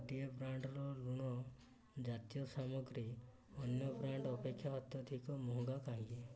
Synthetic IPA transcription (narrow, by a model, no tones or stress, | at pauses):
d̪iebɾaɳɖɾɔluɽ̃ɔ | d͡ʒat̪jɔsamɔɡɾi | ɔnjɔbɾaɳɖɔpekʰːjaɦɔt̪jɔd̪ʰʱikɔmuɦũɡakaɦĩe